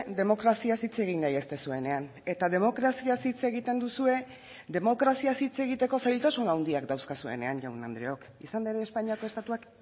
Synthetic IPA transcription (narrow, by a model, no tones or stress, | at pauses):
d̪e̞mo̞kɾasiasit͡se̞ɣ̞inːajest̪esue̞ne̞an | e̞t̪aðe̞mo̞kɾasiasit͡se̞ɣit̪e̞nd̪usue̞ | d̪e̞mo̞kɾasiasit͡se̞ɣ̞it̪e̞ko̞sajlt̪asunawnd̪iakd̪awskasue̞̰ne̞anʝawnand̪ɾeo̞k | isand̪eɾeːspaɲiako̞e̞st̪at̪uak